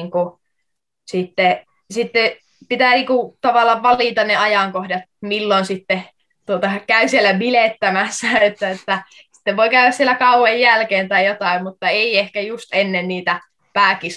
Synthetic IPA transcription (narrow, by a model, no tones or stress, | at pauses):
ŋku | sit̪ːe | sit̪ːe | pit̪æniːkut̪ɑʋɑlːˑɑʋʋɑliˑt̪ɑnneɑjɑŋkohdɑt̪̚milːonsit̪ːe | t̪uot̪ɑkæysielːæmilet̪ːæmæsːæet̪ːæet̪ːæ | si̥t̪ːeʋʋoikæyʋæssielːˑækɑuwejjælkeːnt̪ɑijot̪ɑimmut̪ːɑeiehkæjust̪enːenniːt̪æ | pæːkis